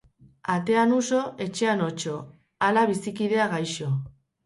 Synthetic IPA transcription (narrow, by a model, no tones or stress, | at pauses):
at̪e̞anuso̞e̞t͡ʃe̞ano̞t͡ʃo̞ | alaβisikið̞e̞aɣajʃo̞